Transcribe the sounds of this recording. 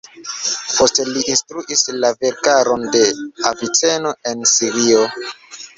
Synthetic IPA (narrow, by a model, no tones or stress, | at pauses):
pʰo̞steliʔinstɾuʔislaveɾkaɾonde̞avit͡seno̞e̞nsiɾio